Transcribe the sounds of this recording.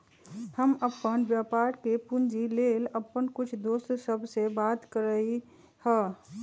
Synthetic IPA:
həməpːənbjaːpaːɾkepʊnd͡ʒileːləpːənkʊt͡ʃʰd̪oːst̪səbʱsebaːt̪kəɾəi | hə

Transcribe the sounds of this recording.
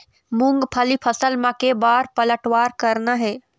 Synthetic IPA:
mʊ̃ŋɡpʰəlipʰɐsəlmãkebaːɾpɐləʈwaːɾkɐɾnaɦɛː

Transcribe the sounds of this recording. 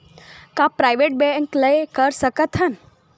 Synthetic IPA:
kãpɾaːjʋeʈ̚beŋkləekəɾsəkət̪ɦən

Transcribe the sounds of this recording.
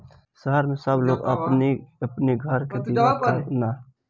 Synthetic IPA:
səɦəɾmesəbloɡə̰pniəpniɡʱəɾked̪iakana

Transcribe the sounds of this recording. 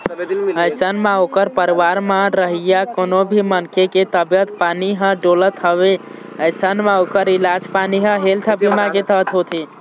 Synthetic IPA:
əjsənmãokəɾpəɾiwaɾmãɾəɦijakonobʱimənkeket̪əbjət̪paniɦə̃ɖolət̪ɦəβe | əjsənmaokəɾilad͡ʒpaniɦə̃ɦelt̪ʰəbʱimãket̪ət̪ɦot̪ʰi

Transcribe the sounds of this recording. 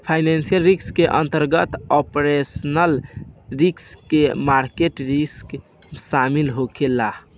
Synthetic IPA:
pʰajnansijəlɾikskeʔənt̪əɾɡət̪ɔpɾesənəlɾikskemaɾkeʈɾisk | samilɦokʰela

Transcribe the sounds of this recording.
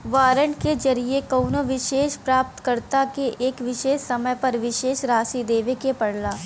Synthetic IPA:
ʋaːɾəɳɖked͡ʒɐɾiekɐʊnoʋɪʃeːʃpɾaːp̚t̪kəɾt̪akeʔeːkʋɪʃeːsːɐməjpɐɾʋɪʃeːʃɾaːsid̪eːʋekepɐɽlaː

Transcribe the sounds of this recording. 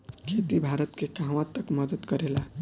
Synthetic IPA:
kʰet̪ibʱaɾət̪kekãɦʋãt̪ːəkmʌd̪əd̪kəɾela

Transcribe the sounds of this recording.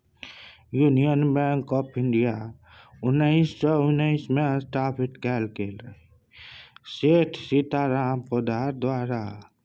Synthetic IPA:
junijənbɛ̃ːŋkɔːpʰɪ̃ɳɖija | ʊnːəɪsːɔʊnːəɪsmẽsʈaːpʰɪʈkɛːlkelə | seːʈʰsit̪aɾaːmpod̪aːɾd̪waːɾa

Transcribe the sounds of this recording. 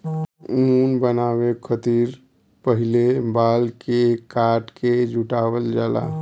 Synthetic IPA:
unbənawekʰət̪iɾ | pəɦilebalkekaʈked͡ʒʱuʈabəld͡ʒala̰

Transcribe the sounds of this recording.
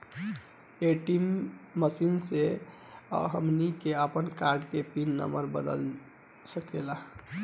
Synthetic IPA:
eʈimːəsinse | ɦəmnikeəpənkaɾɖkepinːə̰məɾbəd̪ə̰l | səkela

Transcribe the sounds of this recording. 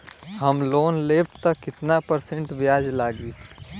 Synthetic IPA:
ɦəmloːnleːp̚t̪əkɪt̪napəɾsẽɳʈbjaːd͡ʒlaːɡi

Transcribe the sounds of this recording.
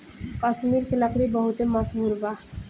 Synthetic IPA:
kəsmiɾkeləkɽibəɦut̪eməsɦuɾba

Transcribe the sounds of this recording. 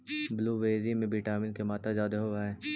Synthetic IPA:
bluːʋeːzimẽbiʈaːmɪnkemaːt̪ad͡ʒaːd̪eɦoʋaeː

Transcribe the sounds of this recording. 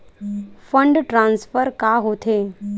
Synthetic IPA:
fəɳɖʈɾãːnsfəɾkaɦoːt̪ʰeː

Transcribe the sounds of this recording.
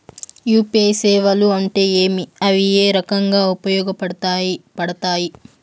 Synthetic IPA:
juːpeːsɛːʋɐluɐɳʈe̞ːeːmiɐʋije̞ːɾɐkɐŋɡaːupɐjɔːɡɐpɐɽpɐɽɐt̪aːji

